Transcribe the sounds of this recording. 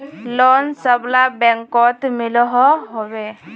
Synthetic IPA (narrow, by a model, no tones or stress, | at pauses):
lɔnsəblabɛŋkɔt̪milɔɦɔɦɔbe